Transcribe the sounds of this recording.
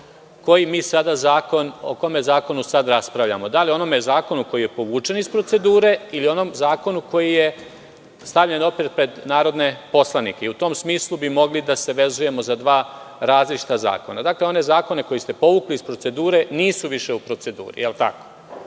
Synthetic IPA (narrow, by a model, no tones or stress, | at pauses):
ko̞jimiːsad̪azaːkono̰komezaːko̞nusad̪ɾaspɾaʋʎa̰mo̞d̪alio̞no̞mezaːko̞nuko̞jije̞po̞ʋuːt͡ʃe̞nispɾo̞t̪se̞d̪uːɾe̞ilio̞no̞mzaːko̞nuko̞jije | st̪aʋʎe̞no̞pɾit̪̚pɾe̞d̪naːɾo̞d̪ne̞po̞slˠanḭke̞iut̪o̞ːmsmiːslˠubimo̞ɡlid̪ase̞ʋe̞zuje̞mo̞zad̪ʋaːɾaːzlit͡ʃi̥t̪aza̰ːko̞nad̪akle̞o̞ne̞zaːko̞ne̞ko̞jist̪e̞po̞ʋuklispɾo̞t̪se̞d̪uːɾe̞niːsuʋiʃe̞upɾo̞t̪se̞d̪ṵːɾḭjelt̪a̰ko̞̥